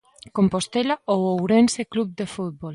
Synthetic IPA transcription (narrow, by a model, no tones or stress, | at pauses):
kompost̪elaowowɾenseklub̚d̪efut̪̚bol